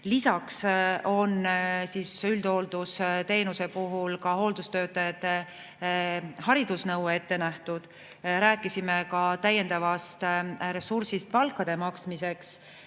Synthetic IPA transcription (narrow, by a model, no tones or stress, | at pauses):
lisɑkso̞nsiːsyld̪o̞ld̪̥ust̪e̞ːnuse̞puɦulkɑho̞ld̪ust̪ø̞ːt̪ːˑɑjɑt̪ːe̞ | hɑɾid̪usnɤwe̞t̪ːe̞næht̪ud̪̥ | ɾæːkːˑisime̞kɑt̪æjːe̞nd̪ɑvɑst̪ɾe̞suɾsist̪̚pɑlkːˑɑd̪̥e̞mɑksmise̞ks